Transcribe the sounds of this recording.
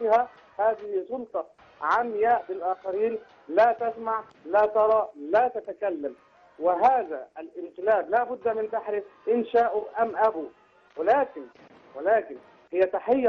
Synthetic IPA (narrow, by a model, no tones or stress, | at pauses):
ɪha | haːðɪhɪsˤʊlt̪ˤɑ | ʕamjaːʔbɪlʔaːxaɾiːn | laːt̪asmaʕ | laːt̪ɑɾˤɑːlaːt̪at̪akalːam | wɪɦaːðaʔlʔɪnqɪlaːblaːbʊd̪ːamɪnt̪aħɾɪfʔɪnʃaːʔʊʔamʔabuː | wɪlaːkɪn | wɪlaːkɪn | hɪjːat̪aħɪjː